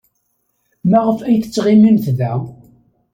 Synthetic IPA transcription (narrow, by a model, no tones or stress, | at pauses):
mæʁəfæjθət͡sːʁɪminθðæ